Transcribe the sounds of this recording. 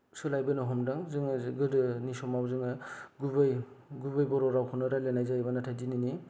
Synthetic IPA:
sɯlajbɯnɔɦɔmdɯŋzɯŋɡɯdɯnisɔmawzɯŋɯɡubɯjɡubɯjbɔɾɔɾawkʰɯnɯɾalanajzajbanatʰajdinini

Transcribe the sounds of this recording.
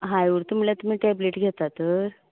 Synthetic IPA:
ɦajʋuɾt̪um̤lat̪um̤iːʈɛbleʈɡʱet̪at̪əɾ

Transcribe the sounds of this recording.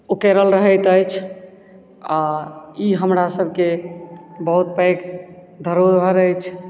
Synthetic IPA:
ukeɾəlɾəɦəjt̪əjt͡ʃʰ | aiɦəmɾasəbʱke | bəɦut̪̚pəjk | d̪ʱəɾobʱəɾəjt͡ʃʰ

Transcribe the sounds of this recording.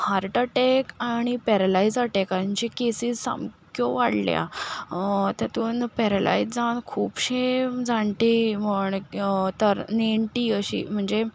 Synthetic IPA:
haɾʈəʈekaɽ̃ipɛɾəlaid͡zaʈekaɾaɲt͡ɕikesiːssa̰mkʰjoʋaɽlja̰ | t̪at̪uːnpɛɾəla̰id͡zd͡zankʰuːpɕed͡zãɳʈ̪eməɳt̪əɾneɳʈiːəɕḭːm̤əɳd͡ze

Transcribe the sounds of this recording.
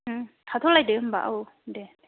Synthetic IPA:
tʰat̪ʰɔlajdeɯmba̰ʔaw | de

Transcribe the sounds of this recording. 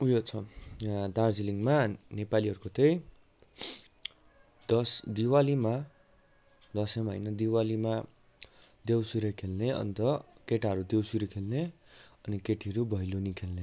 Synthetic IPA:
ujot͡sʰʌjad̪ard͡ziliŋmanepaliɦʌɾukot̪ej | d̪ʌsd̪iwalima | d̪ʌsʌmaɦʌ̰jnʌd̪iwalima | d̪ewsuɾekʰelneʌ̰nt̪ʌkeʈaɦʌɾud̪ewsuɾekʰelne | ʌnikeʈʰiʌɾubʱʌjlonikʰelne

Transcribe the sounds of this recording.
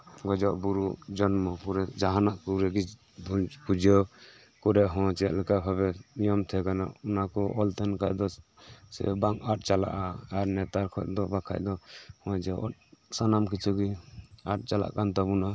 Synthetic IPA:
ɡɔd͡ʒɔʔbuɾuʔd͡ʒɔnmɔpuɾɛd͡ʒaɦanaʔkuɾɛɡi | d̪upud͡ʒɔ | kɔɾɛʔɦɔ̃t͡ʃɛjaʔləkabʰʱaβɛnijɔmt̪ʰɛkana̰unakɔʔɔlt̪ʰɛnka̰ʔd̪ɔ | sɛ̰baŋkat̚t͡ʃala̰ʔaːɾnɛt̪aɾkʰɔt̚d̪ɔbakʰa̰ʔd̪ɔhɔ̃d͡ʒɛɔ̰t̚sanamkit͡ʃʰuɡia̰t̚t͡ʃala̰ʔkant̪ɔbuna

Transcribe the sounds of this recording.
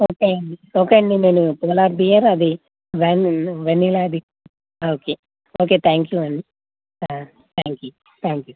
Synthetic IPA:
oːkeɐɳɖioːkeɐɳɖineːnupoːlaːɾbiːjaɾɐd̪i | ʋenʋenːilaɐd̪i | oːkeː | oːkeːt̪ʰaːŋkjuːɐɳɖi | t̪ʰaːŋkjuː | t̪ʰaːŋkjuː

